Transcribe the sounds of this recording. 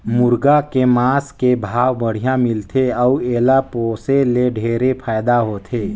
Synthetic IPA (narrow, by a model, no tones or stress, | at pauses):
mʊɾɡakemaːskebʱaːwbəɽ̤ijãmɪlt̪ʰeɔueːlapoːseleɖʱeːɾepʰaːjd̪aɦoːt̪ʰeː